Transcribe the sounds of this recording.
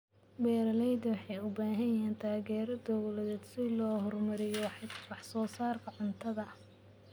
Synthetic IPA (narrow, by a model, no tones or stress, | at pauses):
bɛːɾɐlɛjd̪wɑħɑjʊbaːɦɐjɛːnt̪ʰaːɣɛːɾd̪ɔwlɐðɛːd̪sɪlɔːhɔrmɐɾɪjɔwɑħsɔːsaːrkʰɐʕʊnt̪ʰɐðɐ